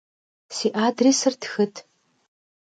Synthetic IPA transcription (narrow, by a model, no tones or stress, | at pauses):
siːʔaːdriːsɨrtʰxɨtʰ